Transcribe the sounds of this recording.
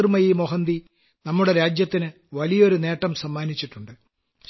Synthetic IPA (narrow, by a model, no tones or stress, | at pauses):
rmɐjimoɦɐnd̪i | nɐmːuɽe̞ɾaːd͡ʑjɐt̪ːinɨ | ʋɐlijɐo̞ɾune̞ːʈːɐmsɐmːaːnit͡ɕːiʈːuɳɖɨ